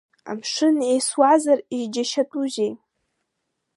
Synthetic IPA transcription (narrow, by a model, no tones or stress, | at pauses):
a̰mʂɨnejswazariʒd͡ʒaʃatʼuʒej